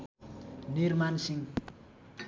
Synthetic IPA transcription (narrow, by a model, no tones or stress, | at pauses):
nirmansiŋ